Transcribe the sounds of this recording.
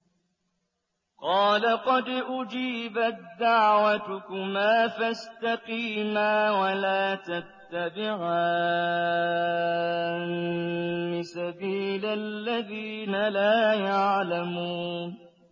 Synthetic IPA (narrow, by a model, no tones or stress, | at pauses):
qɑːlaqɑd̪ʔʊd͡ʒiːbat̪̚d̪aʕwat̪ʊkʊmaːfast̪aqiːmaːwalaːt̪at̪ːabɪʕaː | n | mɪsabiːlalːaðiːnalaːjaʕlamuːn